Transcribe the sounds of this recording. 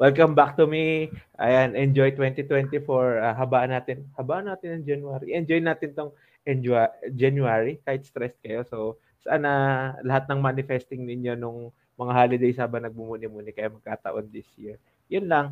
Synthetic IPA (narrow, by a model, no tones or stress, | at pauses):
wɛlkɐmbak̚t̪ʊmiʔɐ̰janʔɛnd͡ʒojt̪wɛnt̪it̪wɛnt̪ɪfoɹaɦɐbaːʔɐnaːt̪ɪnhɐbaːʔɐnaːt̪ɪnːɐŋd͡ʒɐnjʊaːɾḭʔɛnd͡ʒojnaːt̪ɪnt̪oŋ | ʔɛnd͡ʒad͡ʒɐnjuaɹikaːhɪt̪st̪ɾɛskɐjo̞sow | sɐ̰ʔanɐlɐɦat̪̚nɐŋmanɪfɛst̪ɪŋnɪɲjo̞nʊŋ | mɐŋaɦaːlɪd̪ɛjsaːbɐnɐɡ̚mʊmuːnɪmuːnɪkɐjamɐɡ̚kaːt̪ɐ̰ʔo̞nd̪ɪsjiɹ | jʊnlɐŋ